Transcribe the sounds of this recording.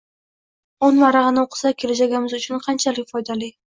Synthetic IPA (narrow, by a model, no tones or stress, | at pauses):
onmaɾɑʁɨnɪoqʰɨ̥sakʲʰe̞lad͡ʒaɡʲamɪzʊt͡ʃʰʊnqʰɑnt͡ʃʰalɪkʲfɒjd̪alɪ